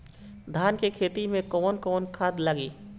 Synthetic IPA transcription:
d̪ʱaːnkekʰeːt̪imẽkɔːnkɔːnkʰaːd̪ləɡiː

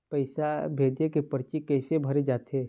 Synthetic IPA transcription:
pɐɪsabʱeːd̪jekepəɾt͡ʃikɛːsebʱɐɾed͡ʒaːt̪ʰeː

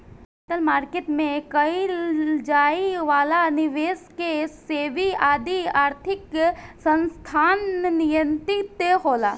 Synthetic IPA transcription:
et̪əlmaːɾket̪mẽkəid͡ʒaːiʋaːlanɪʋeːskeseːʋiaːd̪iaːɾt̪ʰɪksə̃nst̪ʰaːnːijənt̪it̪eɦoːlaː

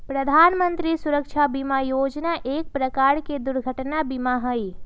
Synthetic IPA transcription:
pɾəd̪ʱaːnmənt̪ɾisuɾəkʃʰabimajoːd͡ʒnaʔeːk̚pɾəkaɾked̪ʊɾɡʱəʈnabimaɦəj

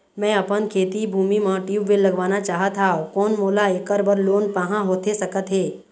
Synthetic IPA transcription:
mɛ̃ːɐpənkʰeːt̪ibʱuːmimãʈiːwʋɪlɐɡʋaːnat͡ʃaːɦət̪ʰaːokɔːnmoːlaeːkəɾbəɾloːnpaɦãɦoːt̪esɐkət̪ɦɛː

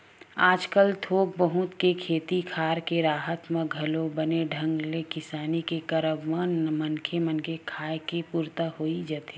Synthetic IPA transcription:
aːd͡ʒkəlt̪ʰoːk̚bəɦʊt̪kekʰeːt̪ikʰaːɾkeɾaːɦət̪mə̃ɡʱɐlobəneɖʱə̃ŋɡlekɪsaːnikekəɾəbmanmənkʰemənkʰekʰaːekepuːɾt̪ahoːid͡ʒat̪e

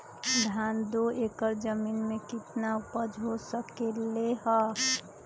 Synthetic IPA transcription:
d̪ʱand̪oekəɾd͡ʒəminmekɪt̪napəd͡ʒʱɦosəkeleɦə

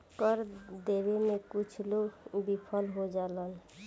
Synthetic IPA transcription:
kəɾd̪ebemẽkʊt͡ʃʰloɡbipʰəlɦod͡ʒaːlən

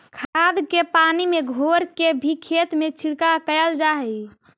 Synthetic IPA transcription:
kʰad̪kepanimeɡʱoɾkebʱikʰet̪met͡ʃʰiɽkakəjəld͡ʒaɦɛ

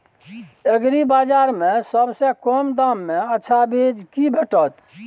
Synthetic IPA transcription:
əɡɾibaːd͡ʒaːɾmẽsəbsekɔmd̪amːẽəːʃʰabed͡ʒkibʱəʈət̪

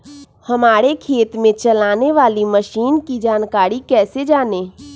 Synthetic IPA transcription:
hɐmaːɾekʰeːt̪mẽt͡ʃɐlaːneʋaːliməʃiːnkid͡ʒaːnkaːɾikɛːsed͡ʒaːneː

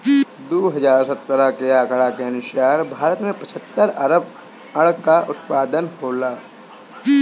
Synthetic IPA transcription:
d̪oːɦɐd͡ʒaːɾsət̪ːɾakeaːkɽakeɐnʊʃaːɾbʱaːɾət̪mẽpət͡ʃʰət̪ːəɾəɾəb | ɐɽkaʔʊt̪paːd̪ənhoːlaː

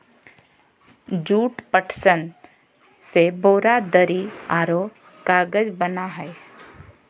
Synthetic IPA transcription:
d͡ʒuːʈpəʈʰsən | seboːɾad̪əɾiaːɾoː | kaːɡəd͡ʒbənaɦɛe

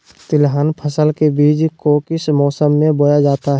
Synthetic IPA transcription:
t̪ɪlɦaːnpʰəsəlkebiːd͡ʒkokɪsmɔːsəmːẽbojad͡ʒaːt̪aɦ

